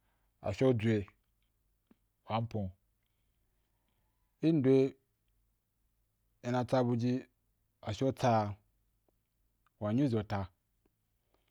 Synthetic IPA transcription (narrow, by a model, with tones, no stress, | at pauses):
a̰˨ʃo˦d͡zʷe˧ | wa˨˦m̩˦põ˨ | i˦n̩˦dwe˦ | e˨na˨˧t͡sa˦˧bu˧d͡ʒi˦ | a˨ʃo˦t͡sa˦˨ | wa˨ɲi˦zo˨ta˧